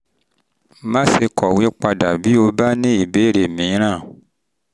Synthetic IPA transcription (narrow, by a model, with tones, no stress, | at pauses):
mã˦se˧kʰɔ˨wi˦k͡pa˧da˨bi˦o˧ba˦nĩ˦i˨be˨˦ɾe˨mĩ˨˦ɾ̃ã˦˨